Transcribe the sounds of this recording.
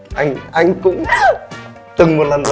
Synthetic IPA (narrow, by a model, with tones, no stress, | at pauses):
ʔa˧jŋ̟ʔa˧jŋkʊ̰˧˥ŋ͡m | t̪ɨ˨˩ŋmo˨˩t̚lə˨˩nɗ